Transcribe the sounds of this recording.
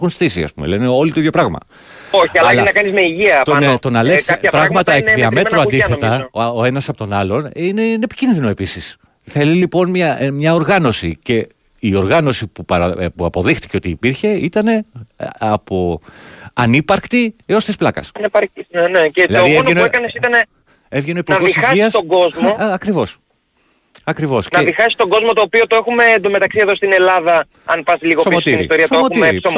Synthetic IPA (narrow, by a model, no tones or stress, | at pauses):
xunst̪isiɐ̰spṵmḛle̞neo̞lit̪oiðjo̞pɾɐɣmɐ̰ | oiɐɐlnɐkɐnizmeiʝiɐt̪ont̪o̞nɐlessɐpɾɐɣmɐt̪ɐeðiɐme̞t̪ɾɾoɐnd̪iθet̪ɐoe̞nɐsɐpo̞t̪o̞nɐlo̞ninenepi̥cinðino̞e̞pisis | θe̞lilipo̞nmɐmɲɐo̞ɾɣɐno̞sḭce̞ | io̞ɾɣɐno̞sipupɐɾɐpuɐpo̞ðixt̪i̥ceo̞t̪iːpiɾçe̞it̪ɐne̞ɐpo̞ | ɐnipɐɾkt̪ieost̪isplɐkɐ̰sɐnepɐɾcineneceðilɐoðioenenouekɐnesit̪ɐne | evʝenoipuɾnɐɣðixɐsiɐst̪oɡo̞zmoɐkɾivo̞s | ɐkɾivo̞snɐeɐðixɐsi̥st̪o̞ɡo̞zmot̪o̞ːpiot̪oexume̞ːnd̪ome̞t̪ɐksie̞ðo̞st̪ine̞lɐðɐ | ɐnpɐsliɣosomotsiɾnist̪oɾiɐsoemotumiɾɾis